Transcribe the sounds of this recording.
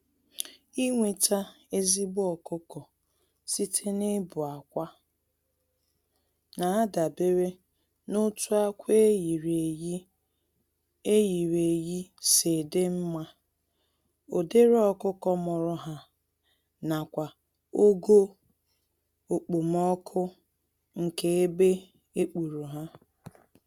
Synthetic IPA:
i˦ŋʷe˨tʰa˦ | e˦zi˦bʊ˦ɔ˨kʊ˦kɔ˨ | si˦tʰe˦ne˦bʊ˨a˨kʷa˦ | na˨a˦da˨be˦ɾe˦ | no˦tu˦a˦kʷe˦ji˨ɾe˨ji˦ | e˦ji˨ɾe˨ji˦sɪ˨dɪ˦m̩˦ma˦ | o˨de˦ɾɔ˦kʊ˦kɔ˦mʊ˨ɾʊ˦ɦa˦ | na˨kʷa˨ | o˦ɡo˦ | o˨k͡pu˨m˦ɔ˦kʰʊ˦ | ŋ̩˨ke˨e˦be˦ | e˦k͡pu˨ɾu˨ɦa˦

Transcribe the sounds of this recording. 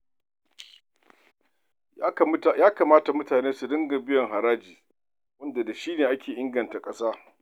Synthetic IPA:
jaː˦ka˨maː˦ta˨mʊ˦taː˨neː˦su˨dɪ˦ŋɡa˨bɪ˦jɔ˨ŋɦa˨ɾaː˦d͡ʒiː˨ | wɐ˦nda˨da˨ʃiː˦neː˨ʔa˦kʲeː˨ʔɪ˦ŋɡɐ˨nta˨kʼɐ˦saː˦

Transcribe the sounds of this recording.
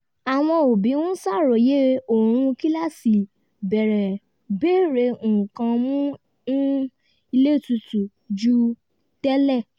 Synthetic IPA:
a˨w̃ɔ̃˧o˨bi˨˦wũ˦sa˦˨ɾo˨je˦o˨ɾ̃ũ˧ki˦la˦˨si˨ | bɛ˨ɾɛ˨ | be˦ɾe˧ũ˨ũ˨kã˧mũ˦ | nũ˦ | i˧le˦˨tu˧tu˨ | d͡ʒu˦ | tɛ˦lɛ˦˨

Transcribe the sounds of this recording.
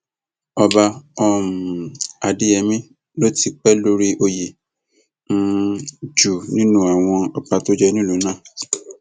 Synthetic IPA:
ɔ˧ba˧ɔ˧˨m˨a˨di˦ɛ˧mĩ˦ | lo˦ti˧k͡pɛ˦lo˦ɾi˦ʔo˧je˨˧ | d͡ʒu˨nĩ˦nũ˦a˨w̃ɔ̃˧ɔ˧pa˧to˦d͡ʒɛ˦nĩ˦lu˨˦nã˦˨

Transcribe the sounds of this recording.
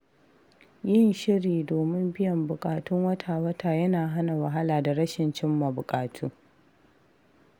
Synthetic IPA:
jɪ˦nʃɪ˦ɾiː˨doː˨mɪ˦mbɪ˦jɐ˨mbʊ˨kʼaː˨tʊ˦ŋwɐ˦tʰaː˨wɐ˦tʰaː˨jɐ˦naː˨ɦa˦na˨wɐ˨ɦa˦laː˨da˨ɽɐ˦ʃɪ˨nt͡ʃɪ˦mːa˨bʊ˨kʼaː˨tʰuː˦

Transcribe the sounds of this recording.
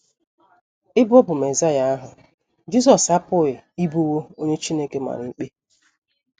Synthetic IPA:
ɪ˦bɔ˦bʊ˨me˨za˦ja˨˦a˦ɦʊ˨ | d͡ʒi˦zɔ˨sa˦pʊ˦ɪ˨i˦bu˦wo˦o˦ɲe˦t͡ʃi˦ne˦ke˦ma̰˨ɾɪ˨ŋ͡m̩˦k͡pe˦

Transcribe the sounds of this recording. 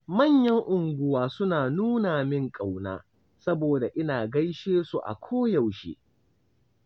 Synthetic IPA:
mɐ˦˨ɲjɐ˦ŋʔʊ˨ŋɡʷʊ˦waː˦sʊ˦naː˨nuː˦naː˨mɪ˦ŋkʼa˨wna̰ː˦ | sɐ˦boː˨da˨ʔɪ˦naː˨ɡɐ˦jʃeː˦su˨ʔa̰˨kʷʰoː˦jɐ˨wʃḛ˦

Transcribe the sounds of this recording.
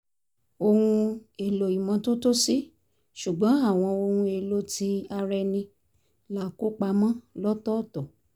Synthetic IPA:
o˧hũ˧e˨lo˨i˨mɔ̃˨˧to˦to˦si˦ | ʃu˨ɡ͡bɔ̃˨˦a˦˨w̃ɔ̃˧o˧hũ˧e˧lo˧˦ti˧˦a˧ɾɛ˧nĩ˧ | la˦˨ko˦k͡pa˧mɔ̃˦lɔ˦tɔ˦˨tɔ˨

